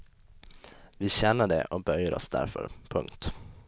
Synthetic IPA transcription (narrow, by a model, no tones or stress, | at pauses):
vɪɕɛnːəɖɛ̰ʔɔbœjəɾɔ̰sd̪æ̰ɾfœ̰ɾpʰɵ̰ŋkt̪